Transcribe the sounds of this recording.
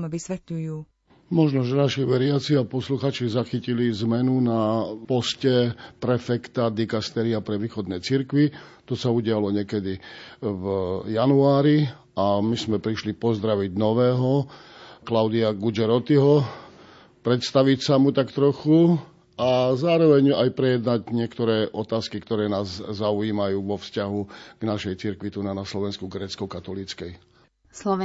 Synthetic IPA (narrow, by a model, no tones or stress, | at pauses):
ʋisʋɛt̪ʎujuː | mɔʒnɔʒɛnaʃiʋɛɾɪat͡siapɔsluxaːt͡ʃizaxicilizmɛnunapɔscɛpɾɛfɛkt̪ad̪ikast̪ɛɾiapɾɛʋiːxɔd̪nɛjt͡siɾkʋit̪ɔsauɟɪalɔɲɛkɛd̪ivjanuaːɾi | amizmɛpɾiʃlipɔzd̪ɾaʋiɟnɔʋɛːɦɔ | klaʊd̪iaɡud͡ʒɛɾɔt̪iɦɔ | pɾɛt̪st̪aʋicsamut̪akt̪ɾɔxu | azaːɾɔʋɛɲajpɾɛjɛd̪naɟɲɪɛkt̪ɔɾɛːʔɔt̪aːskikt̪ɔɾɛːnaːzzauiːmajuːʋɔfscaɦuɡ̥naʃɛjt͡siɾkʋit̪unanaslɔʋɛnskuɡɾɛːt͡skɔkat̪ɔlit͡skɛj | slɔ